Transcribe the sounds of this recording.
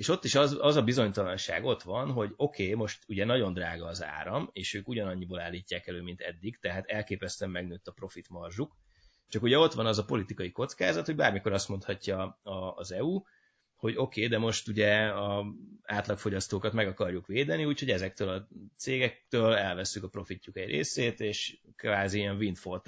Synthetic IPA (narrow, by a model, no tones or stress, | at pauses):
eːʃo̞t̪ːiʃɒzɒzɒbizo̞ɲt̪ɒlɒnʃa̰ːɡo̞t̪ʋɒnɦo̞ɟo̞kʰeːmo̞ʃt̪uɟɛnɒɟond̪raːɡɒːza̰ːɾɒmeːʃøːkuɟɒnɒɲːibolaːlːiːcːaːkɛløːmint̪ɛ̰d̪ːiɡt̪ɛɦaːt̪ɛlkeːpɛst̪yɛmːɛɡnøːt̪ːɒpro̞fit̪mɒrʒuk | t͡ʃɒkuɟɛo̞t̪ʋɒnɒzɒpo̞lit̪ikɒjiko̞t̪skaːzɒt̪hoɟbaːrmiko̞ɾɒst̪mo̞nt̪hɒcːɒɒːzɛu | ho̞ɟo̞keːd̪ɛmo̞ʃt̪uɟɛɒaːt̪lɒkfo̞ɟɒst̪oːkɒt̪mɛɡɒkɒrjukʋeːd̪ɛniuːcho̞ɟɛzɛkt̪øːlɒt̪seːɡɛk̚t̪øːlɛlvɛsːykɒpro̞ficːukɛɟrʔḛːseːt̪eːʃkvaːziiɛɱvint̪fo̞rt̪